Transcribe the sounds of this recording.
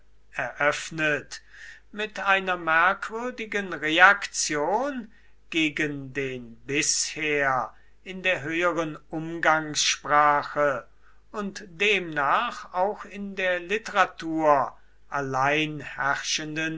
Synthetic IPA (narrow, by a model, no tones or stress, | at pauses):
ɛɐʔœfnət | mɪtaɪnɐmɛɐkv̥ʏɐdɪɡənʁeakt͡sjoːn | ɡ̥eːɡəndeːnbɪsheːɐ | ɪndeːɐɦøːəʁənʊmɡaŋsʃpʁ̥aːxə | ʊntd̥eːmnaːχaʊxɪndeːɐlɪtəʁatʰuːɐ | ʔalaɪnhɛʁʃəndən